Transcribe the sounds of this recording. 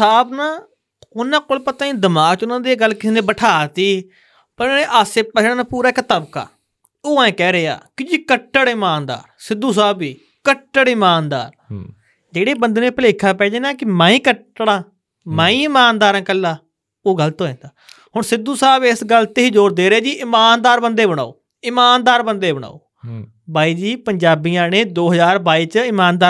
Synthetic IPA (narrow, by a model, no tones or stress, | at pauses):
saːbnãː | ʊnãːkoːlpət̪ãːĩːd̪ɪmaːkt͡ʃʊnãːd̪eːɡəlkɪsiːnẽːbəʈʰaːt̪iː | pəɾẽːʔaːseːpət͡ʃʰɽaːnaːpuːɾaːɪkt̪əbka̰ː | oːãẽːkɛːɾɪa̰ːkɪd͡ʒiːkəʈːəɽɪmaːnd̪a̰ːɾsɪd̪uːs̬aːbiː | kəʈːəɽɪmaːnd̪a̰ːɾ | d͡ʒeːɽeːbənd̪nẽːpəleːkʰaːpɛːd͡ʒeːnaːkɪmaːĩːkəʈːɽãː | maːĩːɪmaːnd̪aːɾãːkəlːaː | oːɡəlt̪oːẽːnd̪aːhʊɳsɪd̪uːsaːbɪsɡəlt̪eɦiːd͡ʒoːɾd̪eːɾaːd͡ʒiːʔɪmaːnd̪aːɾbənd̪eːbəɽ̃a̰ːo̰ː | ɪmaːnd̪aːɾbənd̪eːbəɽ̃a̰ːoː | baːiːd͡ʒiːpəɲd͡ʒaːbijãːneːd̪oːɦəzaːɾbaːiːt͡ʃɪmaːnd̪aː